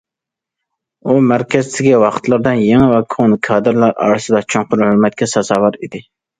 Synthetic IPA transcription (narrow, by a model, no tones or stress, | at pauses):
umæɾkʲʰɛzt̪ʰɪɡʲɛwɑqt̪ʰlˠɨɾd̪ɨnjeŋɪwɛkʰonkʰɑːd̪ɨɾlˠɑɾɑ̰ːɾɨsɨd̪ɑt͡ʃʰoŋqʊɾhøɾmɛt̪̚kʲɛsɑzɑːwɑɾid̪ɪ